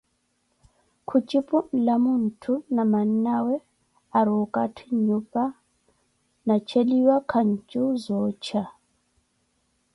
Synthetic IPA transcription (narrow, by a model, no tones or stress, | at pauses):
kʰut͡ʃʼipʼulamun̩tʰunaman̩nawɛ | aɾukʼatʰiɲupʼa | nat͡ʃʰeliwakʰaɲ̩t͡ʃʼuzɔːt͡ʃʰa